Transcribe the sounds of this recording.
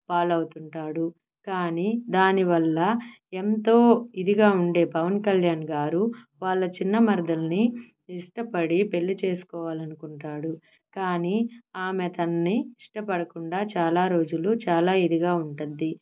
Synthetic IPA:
paːlɐwut̪uɳʈaːɽu | kaːniːd̪aːniʋɐlːɐ | e̞nt̪o̞ːid̪iɡaːuɳɖe̞ːpɐʋɐnkɐljaːnɡaːɾuʋaːɭːɐt͡ʃinːɐmɐɾd̪ɐlɐni | iʂʈɐpɐɽipe̞ɭːit͡ʃeːsu̥kɔːʋaːlɐnukuɳʈaːɽu | kaːniaːmet̪ɐnːiiʂʈɐpɐɽɐkuɳɖaːt͡ʃaːlaːɾo̞ːd͡ʒulut͡ʃaːlaːid̪iɡaːuɳʈund̪ːi

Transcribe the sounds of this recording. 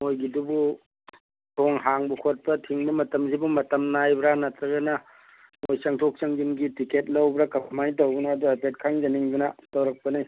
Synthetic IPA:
mojɡidubu | tʰoŋɦaŋbukʰot̚pɐtʰiŋbɐmɐtɐmzibumɐtɐmnajbɾanɐtɾɐɡɐnɐ | mojsɐŋtʰok̚sɐŋɡinɡitiket̚lɐwbɾakɐpmajtɐwɡunaːduajpet̚kʰaŋd͡ʒɐniŋbunɐtɐwɾɐk̚pɐnij

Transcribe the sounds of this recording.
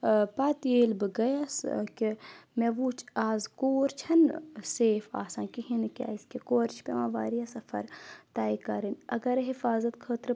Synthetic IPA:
paːt̪ieːlbɨɡɐjaskimeʋuːt͡ʃʰaːzkoːɾt͡ʃʰɐnseːfa̰ːsãːkiɦinka̰ːiskekoːɾt͡ʃʰpʲemãːʋaːɾijasɐfɐ̰ɾt̪aːikɐɾinɐɡɐɾɦifaːzɐt̪kʰəːt̪ɾ

